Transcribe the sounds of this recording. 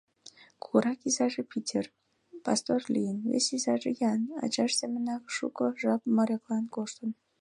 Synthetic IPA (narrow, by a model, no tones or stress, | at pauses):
kuɾɑkizɑʒepitʲer | pɑ̰st̪orlʲijənvʲḛsizɑʒejɑnɑ̰t͡ɕɑʃz̥emənɑkʃṵkəʒɑpməɾʲeklɑnkoʃt̪ən